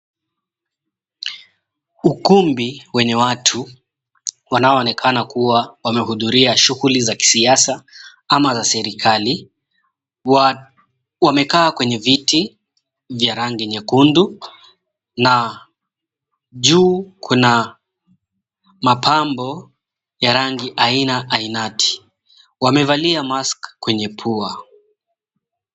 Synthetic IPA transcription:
ukumbiwɛɲɛwatʰu | wanaɔːnɛkʰanakuwawamɛhuðuɾiaʃuɣulizaki̥siasaamazasɛɾikʰali | wamɛkaːkwɛɲɛviti | vjaɾaŋɡiɲɛkundu | na | ʄuːkʰuna | mapʰambɔ | jaɾaŋɡiʔainaʔainatʰi̥ | wamɛvaliamaskkːwɛɲɛpʰua

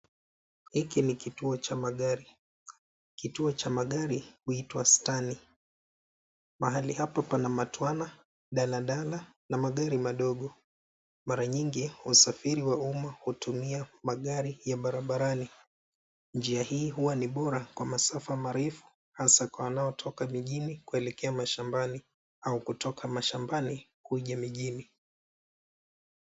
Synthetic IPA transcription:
hikinikituɔt͡ʃamaɠaɾi | kituɔt͡ʃamaɠaɾihuitwastani | maɦalihapapanamatwana | ɗalaɗala | namaɠaɾimaɗɔɠɔ | maɾaɲiŋɡiusafiɾiwaumahutumiamaɠaɾijaɓaɾaɓaɾani | nd͡ʒiahiːɦuwaniɓɔɾakwamasafamaɾɛfu̥ | hasakwawanaɔtʰɔkamiʄinikuɛlɛkɛamaʃambani | aukutɔkʰamaʃambanikuʄamiʄini

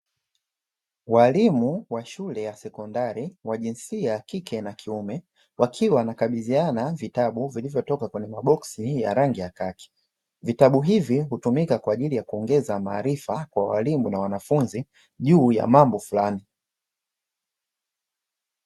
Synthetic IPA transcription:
walimuwaʃulɛjasɛkɔndaɾiwaʄinsiakikʰɛnakʰiumɛ | wakʰiwanakaɓizianavitaɓuvilivjɔtɔkakwɛɲɛmaɓɔksija̰ɾaŋɡijakaki̥ | vitaɓuɦiviɦutumikakwaːʄilijakuɔŋɡɛzamaːɾifakwawa̰limunawanafunzi | ʄuːja̰mambɔfulani

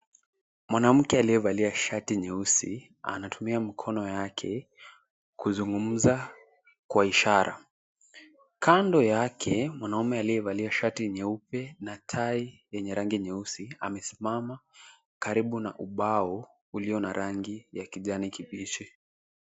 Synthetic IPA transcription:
mwanam̩kɛalijɛvaliaʃatiɲɛusi | a̰natʰumiamikʰɔnɔjakʰɛ | kuzuŋɡum̩za | kwaiʃaɾa̰ | kʰandɔjakʰɛmwanaumɛalijɛvaliaʃatiɲɛupɛnatʰaijɛɲɛɾaŋɡiɲɛusia̰mɛsimama | kaɾiɓuna̰ʔuɓaɔ | uliɔnaɾʔaŋɡijakiʄanikipit͡ʃi

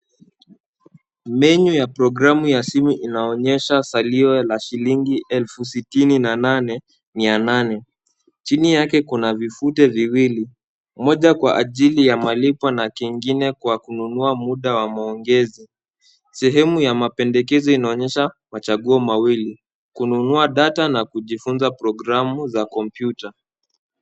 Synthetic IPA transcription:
mɛɲujapɾɔɡɾamujasimuʔinaɔɲɛʃasaliɔlaʃiliŋɡiʔɛlfusitininananɛ | miananɛ | t͡ʃinijakɛkunavifutɛviwili | mɔʄakwaʔaʄilijamalipanakiŋɡinɛkwakununuamuɗawamaɔŋɡɛzi | sɛɦɛmujamapɛndɛkɛzɔinaɔɲɛʃamat͡ʃaɠuɔmawili | kununuaɗatanakuʄifunzapɾɔɡɾamuzakɔmpjuta

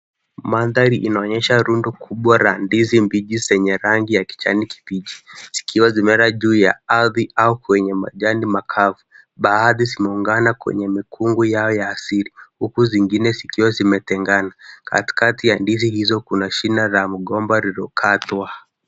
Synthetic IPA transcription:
maðaɾiʔinaɔɲɛʃaɾundɔkʰuɓwaɾandizimbiʄizɛɲɛɾaŋɡijaki̥t͡ʃa̰niki̥piʄiz̥i̥kʰiwazimɛɾaʄuːja̰aðiaukwɛɲɛma̰ʄandimakʰavu | ɓaːðizimɛuŋɡanakwɛ̰ɲɛmikʰuŋɡujaɔjaːsiɾihukuziŋɡinɛzikiwazimɛtɛŋɡanaka̰ti̥katijandizihizɔkunaʃinaɾamuɠɔmbaɾiɾɔkʰatwa

